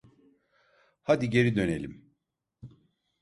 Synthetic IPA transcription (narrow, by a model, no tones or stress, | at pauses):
had̪iɟe̞ɾid̪ø̞nelʲḭm